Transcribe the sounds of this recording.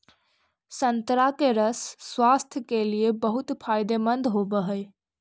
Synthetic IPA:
sənt̪ɾakeɾəsːwast̪ʰjəkeliebəɦut̪pʰaɪd̪emənd̪ʱɦobəɦəj

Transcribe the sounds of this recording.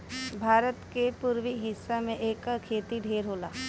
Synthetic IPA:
bʱaːɾət̪kepuːɾwiɦɪsːamẽʔeːkkʰeːt̪iɖʱeːɾɦoːla̰ː

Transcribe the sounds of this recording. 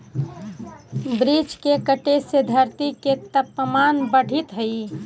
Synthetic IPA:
bɾid͡ʒkekəʈesed̪ʱəɾt̪iket̪əpːəmanbəɽ̤ʱit̪ɦəi

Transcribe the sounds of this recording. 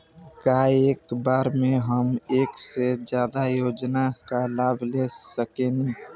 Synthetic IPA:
kaeːkbaːɾmeɦəmeːksed͡ʒjaːd̪ajoːd͡ʒnakalaːbʱlesəkeni

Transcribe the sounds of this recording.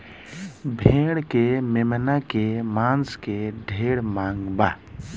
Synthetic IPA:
bʱẽːɽkememənakemãːnskeɖʱeːɽmaːŋɡba

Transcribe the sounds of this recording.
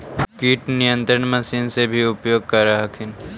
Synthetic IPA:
kiːʈnijə̃nt̪ɾəɽmɐsiːnsebʱiʊpjoːɡ̚kɐɾaɦɐkʰɪn

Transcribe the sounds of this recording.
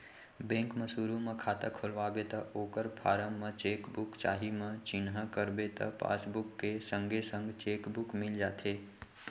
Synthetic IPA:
bẽːŋkməsuːɾũmɐ̃kʰaːt̪əkʰʊlʋaːbet̪ɐoːkəɾpʰaːɾəmːə̃t͡ʃeːkbʊkt͡ʃa̰ːɦimə̃t͡ʃɪnɦakəɾbet̪ɐ̰pa̰ːsbʊkːesə̃ŋɡesə̃ŋɡt͡ʃeːkbʊkmɪld͡ʒaːt̪ʰeː

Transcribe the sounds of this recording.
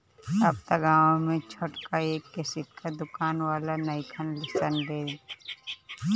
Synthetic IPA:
ap̚t̪aɡaːʋõmẽt͡ʃʰoʈkaeːkːesɪt̪̚kʰad̪ʊkaːnwaːlanəɪkʰənlɪsənbeːd͡ʒ

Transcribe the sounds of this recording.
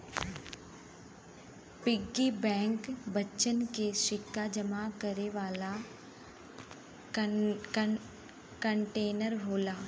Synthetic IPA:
pɪɡːibɛ̃ːŋkbətːʃənkeʃɪkʰːad͡ʒəmakəɾeʋaːla | kə̃ɳʈeːnəɾɦoːlaː

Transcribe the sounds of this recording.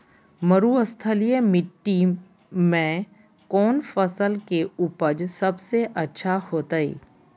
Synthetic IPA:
məɾuəst̪ʰəlijemɪʈʈːi | mẽ | kɔːnfəsəlkeʊpəd͡ʒsɐbseʔɐtːʃʰahoːt̪aḭː

